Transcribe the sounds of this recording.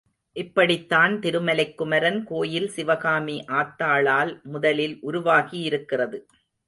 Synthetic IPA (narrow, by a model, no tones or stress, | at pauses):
ʔɪpːɐɽɪt̪ːaːnt̪ɪɾɯmɐlɐɪkːʊmɐɾɐnkoːjɪlsɪʋɐɣaːmiʔaːt̪ːaːɭaːlmʊðɐlɪlʔʊɾʊʋaːɣiɪɾɯkːɪrɐðɯ